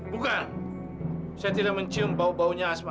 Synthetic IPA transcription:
bukan | sajat̪ilaməɲt͡ʃiəmbaubauɲaːsma

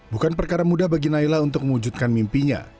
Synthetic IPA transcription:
bukanpərkaɾamudahbaɡinailaunt̪ʊk̚məwud͡ʒut̪̚kanmimpiɲa̰

